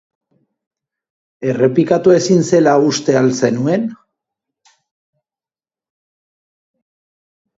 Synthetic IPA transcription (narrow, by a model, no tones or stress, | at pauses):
e̞re̞pikat̪ue̞sinse̞laust̪e̞alse̞nue̞n